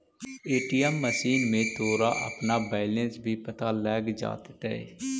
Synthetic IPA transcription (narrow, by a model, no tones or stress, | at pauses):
eːʈiːɛmːəsiːnmẽːt̪ʰoːɾaːʔə̰pnaːbɛːlə̃nsbʱiːpət̪aːlɛːɡd͡ʒa̰ːt̪ɪt̪ɛːḛː